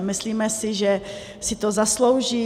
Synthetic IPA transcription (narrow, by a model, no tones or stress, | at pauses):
mɪsliːmɛsɪʒɛ | sɪt̪ozaslowʒiː